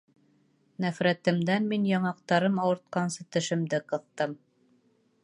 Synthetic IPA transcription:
næfɾæt̪ɘ̆md̪ænminjɑɴɑq̚t̪ɑɾɤmɑwɤ̆ɾt̪̚qɑnsɤt̪ɘ̆ʃɘ̆md̪ɘqɤ̆θt̪ɤm

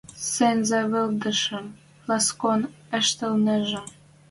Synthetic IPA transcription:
senzeβɘ̆ld̪ə̆ʃə̆m | lɑskon | ə̆ʃt̪ə̆lnə̆ʒə̆m

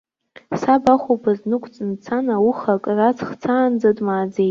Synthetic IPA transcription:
sabaχʷobaznɨkʷʰʼt͡sʼɨnt͡sʰanawuχakʼrat͡sʰχt͡sʰaːnd͡zadʼmaːd͡zej

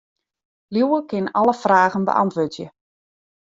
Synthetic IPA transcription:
luwəkɪnɑlˠəfraːɣənbə̰ʔɑ̰ntʋøtjə

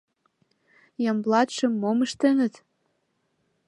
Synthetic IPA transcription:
jɑmblɑt̪ʃə̆mːoməʃt̪enə̆t̪

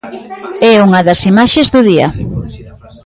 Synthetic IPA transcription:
ɛuŋɐðɐsimaʃezðʊðiɐ̰

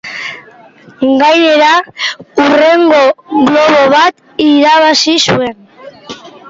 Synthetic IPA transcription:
ɡajne̞ɾaure̞ŋɡo̞ɣlo̞βo̞βat̪ | iɾaβasisue̞n

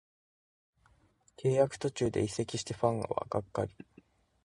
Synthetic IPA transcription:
kʰe̞ːjakɯ̟̥t̪o̞t͡ɕɨːd̪e̞ise̞kʲiɕi̥t̪eɸãŋ̃ɡa̰βa̰ɡ̥akːa̰ɾʲi̥

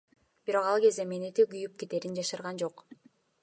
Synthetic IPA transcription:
b̥iɾo̞qɑlˠɡe̞zd̪emenet̪eɡyjyp̚ket̪e̞ɾind͡ʒɑʃɯɾʁɑnd͡ʒo̞q

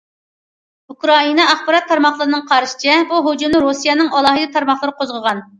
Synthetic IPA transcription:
ukɾɑinɑɑχbɑɾɑt̪ʰːɑɾmɑχlˠəɾɨnɨŋqʰɑɾʃɪ̥t͡ʃʰɛbuɦud͡ʒumnɨɾusijɛnɨŋɑlˠɑːɦɨd̪ɨt̪ʰɑɾmɑχlˠəɾɨqʰozʁəʁɑn

